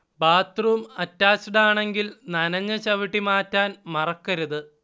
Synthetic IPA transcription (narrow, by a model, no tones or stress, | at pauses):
baːt̪rumɐtːaːsiɽaːɳe̞ŋɡilnɐnɐɲːɐt͡ɕɐʋiʈːimaːtːaːnmɐrɐkːɐɾuðɨ